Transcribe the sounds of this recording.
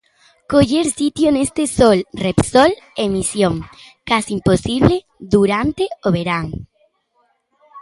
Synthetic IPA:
koʎeɾsit̪jonest̪esolrepsol | emisjoŋ | kasimposiβle | ðuɾant̪eoβeɾaŋ

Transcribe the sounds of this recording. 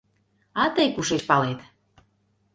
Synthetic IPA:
ɑt̪əjkuʃeʃpɑlet̪

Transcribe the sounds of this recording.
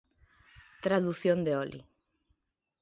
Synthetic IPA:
t̪ɾaðuθjond̪eɔlʔḭ

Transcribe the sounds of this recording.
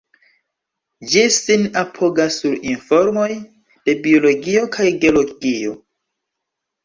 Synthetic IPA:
d͡ʒisinapʰo̞ɡasːuɾinfo̞ɾmo̞j | d̥e̞bio̞lo̞ɡio̞kʰajɡeoloɡio̞

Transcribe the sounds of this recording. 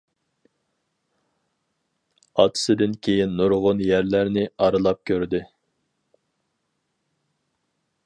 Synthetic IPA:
ɑ̰t̪ʰɨ̥sɨd̪ɪnkʲʰejinːuɾʁʊnjæɾlæɾnɪɑɾɨlˠɑp̚kʲʰøɾd̪ɪ

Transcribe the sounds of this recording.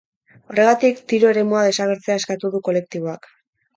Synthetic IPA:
o̞re̞ɣat̪ikt̪iɾo̞e̞ɾe̞muað̞e̞saβ̞e̞ɾt͡seae̞skat̪uðuko̞le̞k̚t̪iβ̞o̞ak

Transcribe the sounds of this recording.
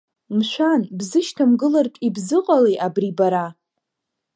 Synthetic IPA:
mʃʷᶣanbzɨʃtʰamɡɨlartʼibzɨqʼalejʔabribaɾa

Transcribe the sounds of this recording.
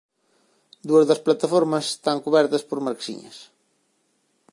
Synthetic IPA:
d̪uɐzðɐsplat̪afoɾmɐse̥st̪aŋkuβɛɾt̪ɐspoɾmaɾksḭɲɐ̰s

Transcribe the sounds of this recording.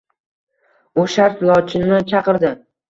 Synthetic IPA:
ʊʃaɾt̪lˠɒt͡ʃʰɪnɪt͡ʃʰɑqɨɾd̪ɪ

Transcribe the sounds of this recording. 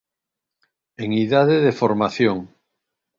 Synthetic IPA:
eŋiðaðeðefoɾmaθjoŋ

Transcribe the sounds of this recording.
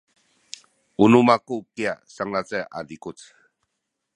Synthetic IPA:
unumakukiasaŋlat͡seʔa̰dikut͡s

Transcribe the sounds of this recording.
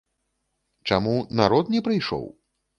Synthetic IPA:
t͡ʂamunaɾɔt̪nʲɛpɾɨjʂɔ̰w

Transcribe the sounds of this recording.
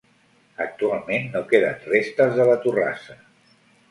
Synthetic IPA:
ək̚t̪ualˠmenːokeðənrest̪əzðələt̪ura̰sə

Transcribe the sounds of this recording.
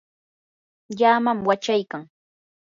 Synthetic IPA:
ʎaːmamwat͡ʃajkaŋ

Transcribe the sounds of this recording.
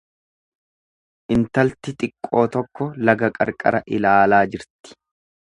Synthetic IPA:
ʔɪnt̪ɐlt̪ɪt̪ʼɪkʼːo̞ːt̪ɔkːɔlɐɡɐkʼɐ̰ɾkʼɐ̰ɾɐʔɪlaːlaːd͡ʒɪɾt̪ɪ̥

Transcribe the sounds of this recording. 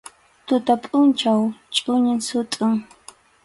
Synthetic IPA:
t̪ʊt̪apʼʊnt͡ʃawt͡ʃʼʊɲɪŋsʊt̪ʼʊŋ

